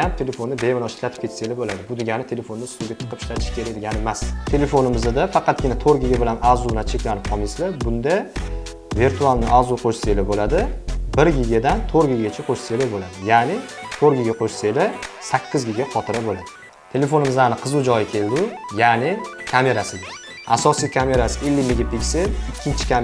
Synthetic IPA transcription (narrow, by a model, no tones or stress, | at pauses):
amt̪ʰe̞le̞fonːɪbe̞mɪnɒʃɪ̥t̪ʰlat̪ʰɪ̥p̚kʲʰe̞t̪selɪbolad̪ɪbʊd̪ɪɡʲanɪt̪ʰe̞le̞fonːɪst̪ʊɡʲat̪ʰɨ̥qʰɨpɪ̥ʃlat̪ʰɪ̥ʃkʲʰe̞ɾed̪ɪɡʲanɪemast̪ʰe̞le̞fonɪmɪzad̪afɑqʰɑt̪̚ɡʲɪnat̪ʰoɾɡʲɪɡʲabɪlanazublant͡ʃʰe̞kʲlanɪp̚qʰɒmislabʊnd̪a | viɾt̪ʰualˠnɪʔazʊqʰoʃse̞lɪbolad̪ɪbɪɾɡʲɪɡʲad̪ant̪ʰoɾɡʲiɡʲat͡ʃʰaqʰoʃse̞lɪbolad̪ɪjanɪt̪ʰoɾɡʲɪɡʲaqʰoʃse̞lɪsakʲʰːɪzɡʲeɡʲaqʰɒt̪ʰɪɾabolad̪ɪ | t̪ʰe̞le̞fonɪmɪzlaɾnɪqʰɨzʊd͡ʒɒjɪkʲʰe̞ld̪ɪjanɪkʲʰame̞ɾasɪɡʲa | asɒsijkʲʰame̞ɾasɪelːɪmeɡʲapikʲselɪkʲʰːɪnt͡ʃʰɪ̥kʰʲa